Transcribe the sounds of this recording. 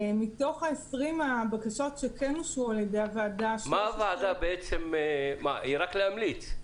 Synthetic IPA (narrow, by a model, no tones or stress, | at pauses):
mito̞χaesʁimabakaʃo̞tʃekɛnuʃualjede̞javaadaʃmaavaːdabeet͡semeːa̰ʔiʁakleamlit͡s